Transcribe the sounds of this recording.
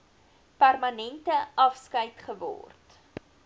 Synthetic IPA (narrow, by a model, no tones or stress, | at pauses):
pærmɐnɛntəɐfskəjtχəvɔ̰rt